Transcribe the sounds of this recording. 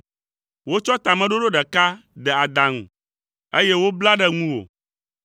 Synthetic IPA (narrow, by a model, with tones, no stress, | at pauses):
wo˦t͡ʃɔ˦t̪a˨mɛ̃˦ɖo˦ɖo˦ɖɛ˨ka˦ɖɛ˨a˨d̪a˨ŋṵ̃˨ | e˦jɛ˦wo˦bla˦ɖɛ˦ŋũ˦wo̰˨